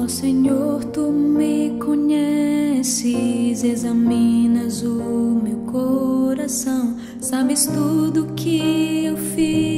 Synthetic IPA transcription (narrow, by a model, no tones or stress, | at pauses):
ɔsẽɲoɾt̪umɪkõɲɛsɪzezɐmĩnɐzʊmewkoɾasɐ̃w̃ | sabɪst̪ud̪ʊkʰɪewfi